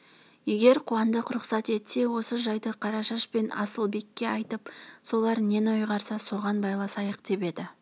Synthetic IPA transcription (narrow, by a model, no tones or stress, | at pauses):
je̞ɡʲe̞ɾqʰuɑnd̪əqɾʊχsɑt̪e̞t̪se̞wo̞səʒɑjd̪əqʰɑɾɑʃɑʃpe̞nɑ̰səlˠbe̞kʲːe̞ɑjt̪əpso̞lˠɑɾne̞nojʁɑɾsɑso̞ʁɑnbɑjlˠɑsɑjəq̚d̪̥e̞pe̞d̪ɪ